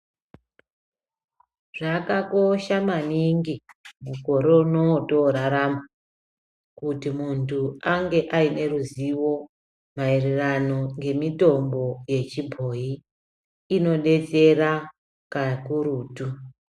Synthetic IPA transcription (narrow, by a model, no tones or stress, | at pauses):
ʐ̥akako̞ʃamaniŋɡimuko̞ɾo̞unoto̞ɾaɾama | kutimuntʰuaŋɡe̞ʔaine̞ruziwo̞ | maererano̞ŋɡe̞mito̞mbo̞je̞t͡ʃibʱo̞iː | no̞ɗe̞t͡se̞ra | kakuɾuːtu